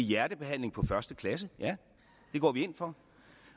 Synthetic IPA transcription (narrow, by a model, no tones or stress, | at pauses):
jæɐdəb̥e̝ɦæn̰le̝ŋpʰɒ̽fɶɐsd̥əkʰlæs̬əjæ | d̥e̝ɡ̥ɒ̰ːʋie̝n̰fɒ̽